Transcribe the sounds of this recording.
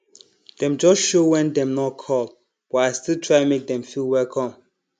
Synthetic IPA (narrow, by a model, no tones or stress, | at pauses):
d̥ɛ̃md͡ʒɔsʃowɛ̃ndɛ̃mnɔt̚kʰɔlˠ | b̥ɔtaɪstilˠtʰɹ̥aɪmek̚dɛ̃mfilˠwɛlkʰɔ̃m